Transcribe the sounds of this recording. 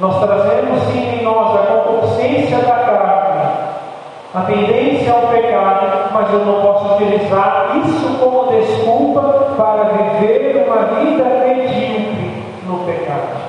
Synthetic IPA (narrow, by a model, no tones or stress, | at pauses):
nɔst̪ɾazẽmʊsĩẽj̃nɔzɐkõkosẽsjɐd̪ɐkɾanɐ | ɐt̪ẽnd̪ẽsjɐawpekad̪ʊmɐzewnɐ̃w̃pɔsʊut͡ʃilizaɾisʊkõmʊd̪eskuwpɐpaɾɐviveɾũmɐvid̪ɐed͡ʒiwbɪ | nʊpekad̪ʊ